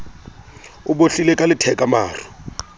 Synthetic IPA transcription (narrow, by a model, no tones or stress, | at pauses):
ʊboɬilekʼalɪtʰɛkʼama̰ːr̤ʊ